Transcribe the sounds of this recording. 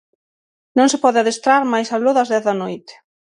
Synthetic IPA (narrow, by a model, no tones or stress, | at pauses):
nõŋsɪpɔðɪaðest̪ɾaɾmajsaloðɐzðɛθðɐnojt̪ɪ̥